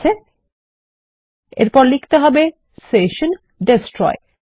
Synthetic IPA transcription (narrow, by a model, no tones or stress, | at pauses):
e | ḛɾpɔɾlikʰt̪eɦɔbe | seʃon | ɖesʈɾɔ̰e